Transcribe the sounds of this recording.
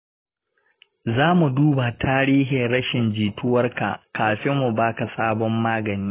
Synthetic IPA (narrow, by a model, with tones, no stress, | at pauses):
zaː˦mu˨duː˦ba˨tʰaː˦ɾiː˦ɦɪ˨nɾɐ˦ʃɪ˨nd͡ʒiː˨tʊ˦wɐ˦rka̰˨kaː˨ɸɪ˦mːu˨baː˦ka˨saː˦bɔ˦mːaː˦ɡɐ˨niː˦